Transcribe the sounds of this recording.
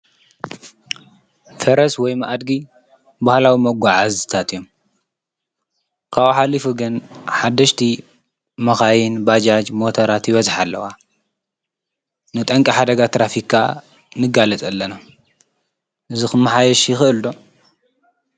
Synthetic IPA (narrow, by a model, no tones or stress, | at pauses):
fɐɾɐswɔjmaʔad̪ɡi | bahlawimɐɡʷaʕazɨt̪ʰat̪ɨjom | kʰawħalːifuɡɨnħad̪ːɐʃt̪ʰi | mɐxajinbad͡ʒad͡ʒmo̞t̪ʰɐɾat̪jɪβɐzħalːɐ̰wa | nɨt̪ʼɐŋkʼiħad̪ɐɡat̪ʰɾafikʰːa̰ | nɨɡalɐt̪ʼɐlːɐna | ʔɨzixɨmːɐħajɛʃjɪxɨʔɨld̪o̞